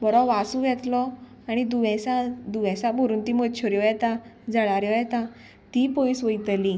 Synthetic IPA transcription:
bɔɽɔʋasũʋjɛt̪lɔ | aɽ̃id̪uʋɛ̃sãd̪uʋɛ̃sãbʱəɾuːnt̪imətːt͡ɕʰɔɾjɔjɛt̪ãd͡zəɽaɾjɔjɛt̪ã | t̪ipɔjisʋəjt̪li

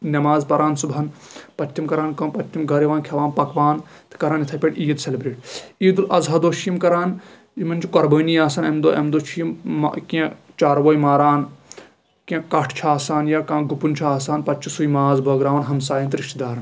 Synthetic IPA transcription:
nʲɐmaːzpɐɾaːnsubʱɐnpɐtʲʰːimkɐɾaːnkɐmpɐt̪ʲʰːimɡɐɾiʋaːnkʰʲɐʋaːnpɐkʋaːnt̪ɨ̥kɐɾaːnit̪ʰɐpʲeʈiːjɐd̪selebɾeːʈiːd̪ulʔɐzɦɐd̪oːʃʰijimkɐɾaːn | imɐnʲt͡ʃʰikɐɾbəːnijaːsɐnɐmd̪oːɐ̰md̪oːt͡ʃʰijima̰kiẽ | t͡ʃaːɾʋɐːjmaːɾaːn | kẽkɐʈʰt͡ʃʰaːsaːnjaːkãːɡupunt͡ʃʰaːsaːnpɐtʲt͡ʃʰisujmaːzbɐːɡɾaːʋɐnɦɐmsaːjint̪ɾiʃʈid̪aːɾɐn

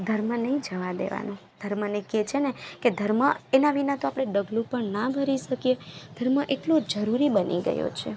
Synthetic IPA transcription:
d̪ʱəɾmənəɦĩd͡ʒəʋad̪ḛʋa̰nũd̪̥ʱəɾməneket͡ʃʰeneked̪ʱəɾməenaʋinat̪oapɽ̃eɖəɡlũpəɳnabʱəɾiʃəkijed̪̥ʱəɾməʔeʈlod͡ʒəɾuɾibənʔḭɡə̰jo̰t͡ʃʰe

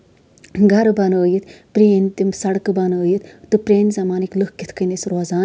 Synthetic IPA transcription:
ɡʱɐɾbɐnəːjit̪ʰpɾeːnt̪imsɐɽkɨbɐnəːjit̪ʰt̪ɨpɾeːnzɐmaːnikləhkit̪ʰkənisɾoːzaː

